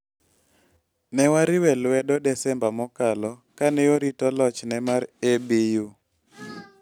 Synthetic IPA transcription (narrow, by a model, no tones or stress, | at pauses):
nɛwaɾiwɛlwɛdɔdɛsɛmbamɔkalɔkanɛjoɾitɔlɔt͡ʃnɛmaɾebiju